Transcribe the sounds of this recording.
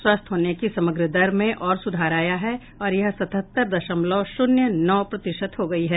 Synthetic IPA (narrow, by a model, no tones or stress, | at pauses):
swaːst̪ʰɦoːnekisɐməɡɾəd̪ɐɾmẽʔɔːɾsʊd̪ʱaːɾaːjaɦɛ | ɔːɾjɐɦsɐt̪ət̪ːəɾd̪ɐʃəmlɔːʃʊnjənɔːpɾɐt̪ɪʃət̪ɦoɡɐiɦɛː